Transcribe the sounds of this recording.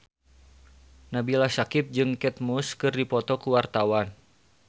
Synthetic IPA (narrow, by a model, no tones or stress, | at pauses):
nabilasakɪp̚d͡ʒɨŋkɛt̪̚muskɨrdipɔt̪ɔkuwart̪awan